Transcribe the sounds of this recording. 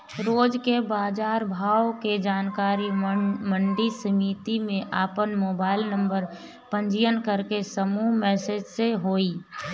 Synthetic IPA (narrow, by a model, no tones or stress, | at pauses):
ɾoːd͡ʒkebaːd͡ʒaːɾbʱaːoked͡ʒaːnkaːɾiməɳɖisəmiːt̪imẽʔaːpənmoːbaːɪlnə̃mbəɾ | pə̃ɲd͡ʒijənkəɾkesəmuɦmɛːsed͡ʒseɦoːiː